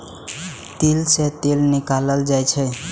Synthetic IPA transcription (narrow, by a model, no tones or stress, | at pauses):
t̪ilset̪elnikaləld͡ʒajt͡ʃʰəj